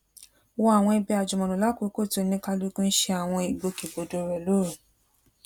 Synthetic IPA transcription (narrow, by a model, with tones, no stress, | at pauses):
wɔ˦a˨w̃ɔ̃˧i˧bɛ˧a˨d͡ʒu˨mɔ̃˨nũ˨la˦ko˨˦ko˦˨to˧˨nĩ˧˦ka˧lu˧˦ku˦n̩˦ʃɛ˧˦a˨w̃ɔ̃˧i˨ɡ͡bo˧ki˨bo˨do˨ɾɛ˨lo˦ɾu˨